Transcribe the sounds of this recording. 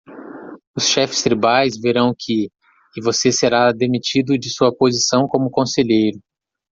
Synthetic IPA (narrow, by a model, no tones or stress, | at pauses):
ʊsʃɛfɪ̥st̪ɾibajzveɾɐ̃w̃kʰɪː | voseseɾad̪emit͡ʃid̪ʊd͡ʒɪsuɐpozisɐ̃w̃kõmʊkõseʎejɾʊ